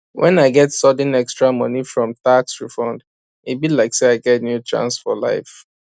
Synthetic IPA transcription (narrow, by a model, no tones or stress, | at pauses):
wʔɛ̰̃naɪɡɛtsɔd̃nɛkstɹamʌnifɹɔ̃mtaksɹifɔ̃nd | ibilaɪkseaɪɡɛtnjutɹã̰nsfɔla̰ɪf